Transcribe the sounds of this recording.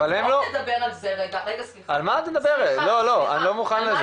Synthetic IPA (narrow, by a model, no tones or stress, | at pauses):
valhemlodɐbeʁalzeeɡeɡsialmaːt̪ed̪abeʁetlo̞lo̞a̰nilo̞muχanlaz